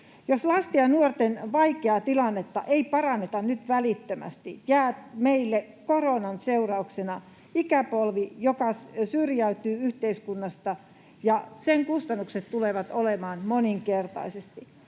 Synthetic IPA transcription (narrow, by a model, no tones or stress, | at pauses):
joslɑst̪iɑnuort̪enʋɑikeɑt̪ilɑnːet̪ːɑ̰ʔeipɑrɑnːet̪ɑnnyt̪ʋælit̪ːømæ̰st̪ijæːt̪meilːe | koronɑnseurɑuksenɑ | ikæpolʋijokɑssyrjæyt̪yːyht̪eiskunːɑst̪ɑ | jɑseŋkust̪ɑnːukset̪t̪uleʋɑt̪olemɑːnmoniŋkert̪ɑ̰isest̪i